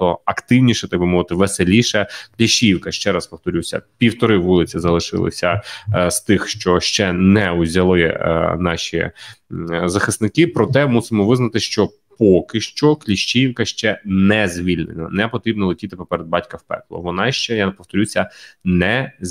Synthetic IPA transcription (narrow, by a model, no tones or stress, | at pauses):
ɔɐkt̪ɪwnʲiʃɛt̪ɐɡ̚bɨmɔʋɪt̪ɪʋeselʲiʃɛklʲiʃt͡ʃʲiwkɐʃt͡ʃɛɾɐspɔft̪ɔɾʲusʲɐ̰pʲiwt̪ɔɾɪʋulˠɪt͡sʲizɐlˠɪʃɪ̰lˠɪ̰sʲɐst̪ɪxʃt͡ʃɔʃt͡ʃɛnɛuzʲɐlˠɪ̰nɑʃʲḭ | zɐxɪsnɪkɪpɾɔt̪ɛmusɪmɔʋɪznɐt̪ɪʃt͡ʃɔ | pɔkɪʃt͡ʃɔklʲiʃt͡ʃijwkɐʃt͡ʃɛnɛzʲʋʲilʲnɪnɐ̰nɛpɔt̪ɾʲibnɔlˠetʲit̪ɪpɔpeɾed̪̚bɑtʲkɐwpɛ̰klˠɔ̰ʋɔnɑʃt͡ʃɛjapɔwt̪ɔɾʲusʲɐnɛ